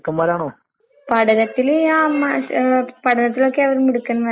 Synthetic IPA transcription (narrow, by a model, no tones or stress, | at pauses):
kːɐmːaːɾaːɳo | pɐɽɐɾɐt̪ːɪlamapɐɽɐɾɐt̪̬ːɪloːkːeɐʋɐɾɐmɪɽɯkːɐnːʋɐ